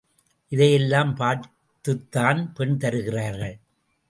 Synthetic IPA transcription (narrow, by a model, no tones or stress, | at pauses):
ʔɪðɐjɛlːaːmpaːɾ | t̪ːɯt̪ːaːnpɛɳt̪ɐɾɯɣɪraːɾɣɐɭ